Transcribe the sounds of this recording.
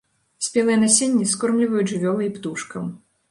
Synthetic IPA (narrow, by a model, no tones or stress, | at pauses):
sʲpʲɛlˠɨjɛnɐsʲenʲːiskɔrmlʲivɐjuʐɨvʲɔlˠɨipt̪uʂkɐm